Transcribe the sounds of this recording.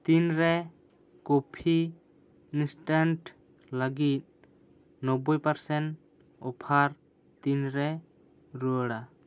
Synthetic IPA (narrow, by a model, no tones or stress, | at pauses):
t̪inɾɛ | kɔpʰi | insʈanʈ | laɡit̪̚ | nɔbɔjpaɾsɛn | ɔpʰaɾ | t̪inɾɛ | ɾuəɽa